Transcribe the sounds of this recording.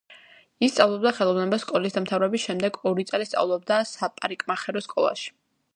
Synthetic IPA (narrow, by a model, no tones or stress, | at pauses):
ist̪sʼavlˠɔbd̪aχɛlˠɔvnɛbaskʼɔlisd̪amt̪ʰavɾɛbisʃɛmd̪ɛɡɔɾit̪sʼlist̪sʼa̰vlˠɔb̚d̪asapʼaɾikʼmaχɛɾɔskʼɔlˠa̰ʃi̥